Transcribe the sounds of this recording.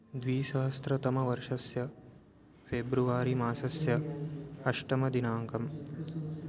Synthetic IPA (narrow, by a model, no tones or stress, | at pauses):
d̪ʋiːʃɐɦɐst̪ɾɐt̪ɐmɐʋɐɾʂɐsjɐ | fʰeːbɾuʋaːɾimaːsɐsjɐɐʃʈɐmɐd̪inaːŋkɐm